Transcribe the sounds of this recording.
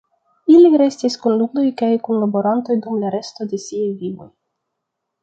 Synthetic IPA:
iliɾe̞stiskunlud̪o̞jkajkunlabo̞ɾant̪ojd̪umlaɾe̞sto̞de̞siejvivo̞j

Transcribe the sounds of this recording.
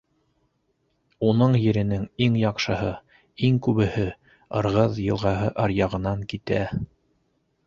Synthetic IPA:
unɤɴjɘ̆ɾɘ̆nɘŋiŋjɑqʃɤ̆ɦɤ | iŋkʉβɘ̆hɘ | ɤ̰̆ɾʁɤðjɤ̆lˠʁɑɦɤʔɑɾjɑʁɤ̆nɑŋkit̪æ

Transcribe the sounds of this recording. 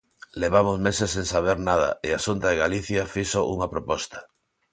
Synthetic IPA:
leβ̞amozmesesːẽŋsaβ̞eɾnaða̰easunt̪aðeɣaliθjafisoʔṵŋapɾopɔst̪ḁ

